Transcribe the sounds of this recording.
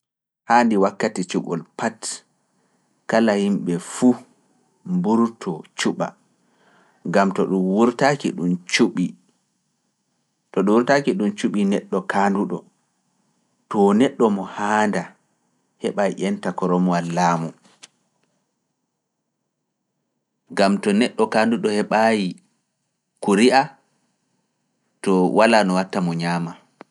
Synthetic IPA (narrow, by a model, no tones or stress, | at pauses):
haːndiwakːatit͡ʃuɓɔ̰lpat | kalahimɓɛfu | mbuɾtʰɔt͡ʃuɓa̰ | ŋɡamtɔɗumwuɾtakḭɗumt͡ʃuɓi | tɔɗuwuɾtakiɗumt͡ʃuɓinɛɗːɔkaːnduɗɔ̰ | tɔnɛɗːɔmɔhaːnda | hɛɓajiʔɛntakɔɾɔmɔalːaːmu | ɡamtɔnɛɗːɔkanduɗɔhɛɓaji | kuɾiʔa | tɔwalanɔwatːamɔɲaːma